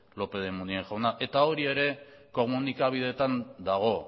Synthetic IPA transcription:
lo̞pe̞ð̞emunieŋʝawnaʔe̞t̪ao̞ɾie̞ɾe̞ko̞munikaβ̞ið̞e̞t̪and̪aɣ̞o̞

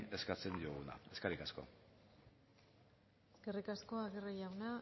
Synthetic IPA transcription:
e̞skat͡se̞nd̪iuɣuna̰e̞skaɾikasko̞̰ | sɡerikasko̞aɣerijawna

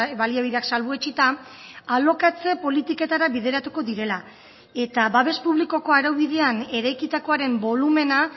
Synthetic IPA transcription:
βaliaβ̞iðeaksalβuet͡ʃit̪aː | lo̞kat͡se̞po̞lit̪ike̞t̪aɾaβiðe̞ɾat̪uko̞ðiɾe̞la | e̞t̪aβaβe̞spuβliko̞ko̞aɾawβiðe̞ane̞ɾajkit̪ako̞aɾe̞mbo̞lume̞na

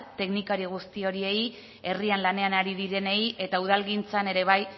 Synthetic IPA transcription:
t̪e̞knikaɾiɣ̞ust̪io̞ɾie̞j | e̞rianlane̞anaɾiðiɾe̞ne̞je̞t̪auð̞alɣint͡sane̞ɾe̞β̞aj

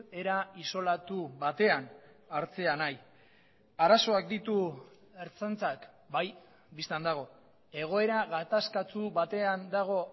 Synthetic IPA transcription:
e̞ɾaiso̞lat̪uβat̪e̞an | aɾt͡se̞anaj | aɾaso̞ak̚d̪it̪u | e̞ɾt͡sant͡sak | baj | bist̪and̪aɣ̞o̞ | e̞ɣ̞o̞e̞ɾaɣat̪askat͡suβat̪e̞and̪aɣ̞o̞

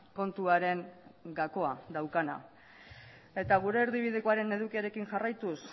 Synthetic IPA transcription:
ko̞nt̪uaɾe̞ŋɡako̞ad̪awkana̰ | e̞t̪aɣ̞uɾe̞ːɾðiβið̞e̞koaɾe̞ne̞ð̞ukiaɾe̞kiŋʝarajt̪us

